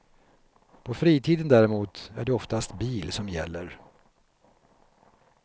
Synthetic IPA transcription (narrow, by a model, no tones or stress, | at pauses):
pʰɔfɾiːt̪ʰiːd̪ənd̪æɾɪmuːt̪æɖɛɔft̪ast̪biːlsɔmjɛ̰lːəɾ